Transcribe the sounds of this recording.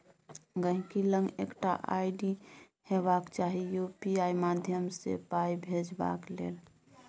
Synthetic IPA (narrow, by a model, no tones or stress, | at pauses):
ɡəɦĩkilə̃ŋɡḛkʈa̰ʔaiɖi | hebakt͡ʃaɦijopiaimad̪ʱjəmsḛpaibʱed͡ʒba̰klḛl